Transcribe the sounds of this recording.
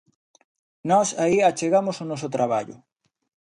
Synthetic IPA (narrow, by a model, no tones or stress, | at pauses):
nɔsaiat͡ʃeɣamʊsʊnɔs̬ʊt̪ɾaβa̰ʎʊ̰